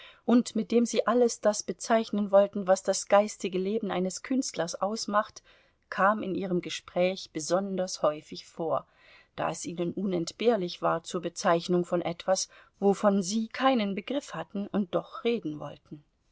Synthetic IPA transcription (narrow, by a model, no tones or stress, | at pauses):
ʔʊntmɪt̚d̥eːmziːʔaləsd̥asb̥ət͡saɪçnənvɔltn̩vasd̥asɡ̥aɪstɪɡəleːbn̩ʔa̰ɪnəskʰʏnstlɐsʔaʊsmaχt | kʰaːmɪnʔiːʁ̞əmɡəʃpʁ̥ɛːçb̥əzɔndɐshɔʏfɪçfoːɐ | d̥a̰ːɛsʔiːnənʔʊnɛntb̥eːɐlɪçv̥aːɐt͡suːɐbət͡saɪçnʊŋfɔnʔɛtv̥asvofɔnziːkʰaɪnənbəɡʁɪfhatn̩ʊnt̚d̥ɔχʁeːdn̩vɔ̰ltn̩